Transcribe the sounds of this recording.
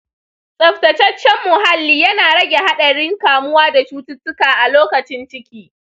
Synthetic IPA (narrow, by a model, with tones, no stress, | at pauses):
sʼɐ˨ɸtɐ˨t͡ʃɐ˦t͡ʃːɛ˦mːʊ˨ɦa˦lːiː˦jɐ˦naː˨ɽɐ˦ɡʲe˨ha˦ɗɐ˨ɽɪ˦ŋkaː˨mʊ˦waː˦da˨t͡ʃuː˦tʊ˦tːʊ˦kaː˨ʔa˨loː˦kɐ˨t͡ʃɪ˦nt͡ʃɪ˦kʲiː˦